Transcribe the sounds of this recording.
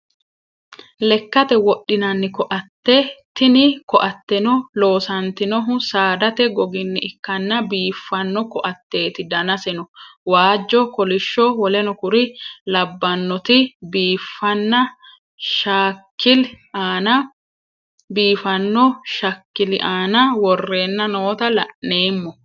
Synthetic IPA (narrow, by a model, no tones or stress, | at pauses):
lɛkːɐt̪ɛwɔɗːɪnɐnːɪkɔʔɐt̪ːɛt̪ɪnɪkɔʔɐt̪ːɛnɔlo̞ːsɐnt̪ɪnɔɦʊsaːd̪ɐt̪ɛɡɔɡɪnːɪɪkːɐnːɐbiːfːɐnːɔkɔʔɐt̪ːe̞ːt̪ɪd̪ɐnɐsɛnɔwaːd͡ʒːɔkɔlɪʃːɔwɔlɛnɔkʊɾɪlɐbːɐnːɔt̪ɪbiːfːɐnːɐ | ʃaːkːɪl | aːnɐ | biːfɐnːɔʃɐkːɪlɪʔaːnɐwɔrːe̞ːnːɐno̞ːt̪ɐlɐʔne̞ːmːɔ